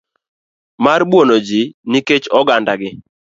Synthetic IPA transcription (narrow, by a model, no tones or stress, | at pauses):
marbwonod͡ʒiniket͡ʃɔɡandaɡɪ